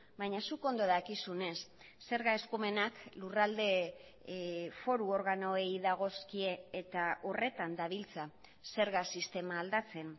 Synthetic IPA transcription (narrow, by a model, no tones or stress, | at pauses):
bajɲasuko̞nd̪o̞ðakisune̞sː | e̞ɾɣae̞skume̞naklurald̪e̞ | fo̞ɾuo̞ɾɣano̞ejðaɣ̞o̞skie̞ːt̪aʔo̞re̞t̪and̪aβilt͡sa | se̞ɾɣasist̪e̞maːld̪at͡se̞n